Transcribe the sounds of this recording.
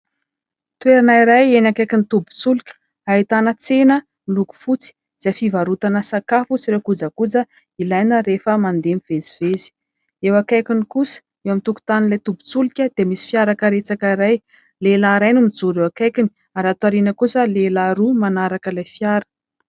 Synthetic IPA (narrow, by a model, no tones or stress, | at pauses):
t̪weɾanaiɾajenakajkinit̪ubu̥t͡sulukʲə̥ | ait̪anət͡senə | luɡu̥fut͡si̥ | z̥afivaɾut̪anəsakafut͡siɾewkud͡zakud͡zə | ilajnəɾefəmand̪emivezivezi̥ | ewakajkʲinikusə̥ | ewamit̪uku̥t̪anilajt̪ubu̥t͡sulikʲəd̪̥emisi̥fjaɾakəɾet͡sakəiɾaj | lelaɾajnumid͡zuɾewakajkini̥ | aɾat̪aɾinəkusəlelaɾumanaɾakəlajfjaɾə̥